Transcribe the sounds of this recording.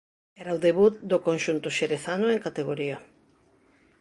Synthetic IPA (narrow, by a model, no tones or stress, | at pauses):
ɛɾaoðeβut̪d̪okõnʃunt̪ʊʃeɾeθanʊeŋkat̪eɣoɾiɐ